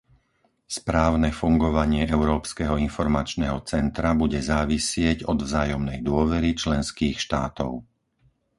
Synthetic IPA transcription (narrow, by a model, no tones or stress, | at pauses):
spɾaːʊnɛfuŋɡɔʋaɲɪɛʔɛʊɾɔːpskɛɦɔinfɔɾmat͡ʃnɛːɦɔt͡sɛnt̪ɾabuɟɛzaːʋisɪɛɟɔd̪vzaːjɔmnɛjd̪ʊɔʋɛɾit͡ʃlɛnskiːxʃt̪aːt̪ɔ̰ʊ